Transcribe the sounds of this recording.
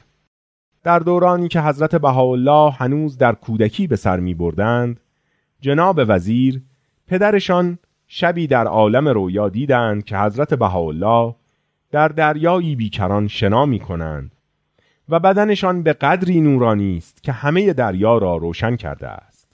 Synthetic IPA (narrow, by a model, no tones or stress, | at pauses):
d̪̥æɾd̪oːɾɒːniːcʰe̞ɦæzɾæt̪ʰe̞bæɦɒːolːɒːhhænuːzd̪æɾkʰuːd̪ækʰiːbe̞sæ̰ɾmiːbo̞ɾd̪ænd̪ | d͡ʒe̞nɒːbe̞væziːɾ | pʰe̞d̪æɾe̞ʃɒn | ʃæbiːd̪æɾɒːlæme̞ɾoːjɒːd̪iːd̪ænd̪̥̚cʲʰe̞hæzɾæt̪ʰe̞bæɦɒːolːɒːh | d̪̥æɾd̪æɾjɒːjiːbiːcʰæɾɒnʃe̞nɒːmiːkʰo̞næ̰ːnd̪̥ | væbæd̪æne̞ʃɒnbe̞ɣæd̪ɾiːnuːɾɒːniːst̪cʲʰe̞hæme̞je̞d̪æɾjɒːɾɒːɾoːʃæncʰæ̰ɾd̪ḛæ̰st̪